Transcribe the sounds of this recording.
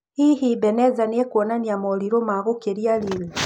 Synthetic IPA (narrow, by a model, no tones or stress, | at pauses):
hiɦibɛnɛzaniɛkwɔnaniamɔliɾomaɣokeɾialiwe